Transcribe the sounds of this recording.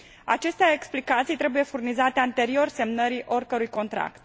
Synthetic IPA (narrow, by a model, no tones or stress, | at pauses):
a̰t͡ʃe̞st̪eae̞ksplikat̪sijt̪ɾe̞buje̞furnizat̪e̞ant̪e̞ɾio̞rse̞mnəɾiʔo̞rʲkəɾujko̞nt̪ɾa̰kt̪̚